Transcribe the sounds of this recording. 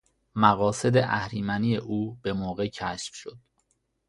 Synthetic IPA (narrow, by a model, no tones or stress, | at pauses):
mæɣɒːse̞d̪eʔæhɾiːmænijeʔuːb̥e̞moːɣe̞cʰæʃfʃo̞d̪̥